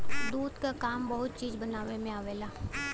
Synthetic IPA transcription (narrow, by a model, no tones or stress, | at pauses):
d̪uːd̪kakaːmbɐɦʊt̪̚t͡ʃiːzbɐnaːʋemẽaːʋeːlaː